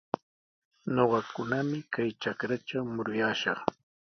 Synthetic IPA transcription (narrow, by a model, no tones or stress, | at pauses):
ɲoɢɑkʊnamɪkajt͡ʃakɾaʈ͡ʂawmʊɾʊjaːʃɑχ